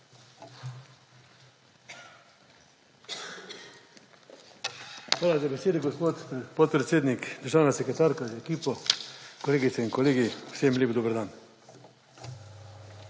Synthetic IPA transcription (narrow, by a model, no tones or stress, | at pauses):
xʋaːlazabeseːd̪eɡospoːt̪pɔt̪̚pɾet̪sʲeːd̪nikd̪əɾʒaːwnasekɾet̪aːɾkazeekiːpɔkoleːɡit̪sɛinkoleːɡiwseːmlʲeːbd̪obəɾd̪an